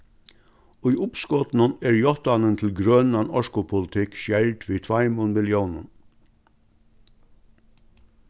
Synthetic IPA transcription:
oiːʔʊpskɔt̪n̩əneːɹjɔt̪ɑnənt̪ʰl̩ɡɾœnɑnɔʃkʊpʰʊlt̪ʰɪkʃjælʈʋiːt̪ʰʋɑɪmunmɪljuːnən

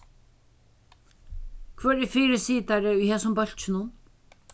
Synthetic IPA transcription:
kʰvœːɾɛfiːɾɪsiːt̪aɾɪʊjhɛːsʊmbœl̥t͡ʃɪnʊn

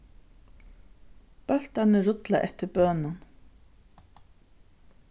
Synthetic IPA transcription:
pœl̥t̪anɪɾʊt̪laʔɛht̪ɪɾbœːnan

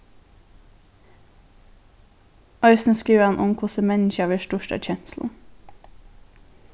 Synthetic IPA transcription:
ʔɑʏsn̩skiːʋəɑnʔʊmkʰʊsəmɛnçɑːʋeːʃtʊʃtæ̰c͡çɛnsl̩

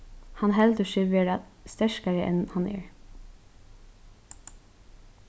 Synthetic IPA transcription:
hɑnɦɛld̪əʃɛʋeːɹɑst̪ɛʃkɑɹəʔɛ̰nhɑnḛːɹ

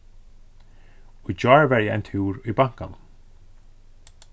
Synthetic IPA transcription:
ujd͡ʒɔːɹvɛɹjɛɛjnt̪ʰuːɹujbaŋ̥kanʊm

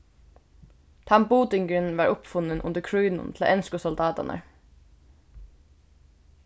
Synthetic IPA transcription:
t̪ʰɑmbuːd̪ʏŋɡəɹənʋɑːɹʔʊpfʊnənʔʊ̰nd̪əkʰɹʉʏnʊ̰nt̪ʰl̩̰ːʔɛnskʊsʊld̪ɑːd̪ɑ̰nʔə̰

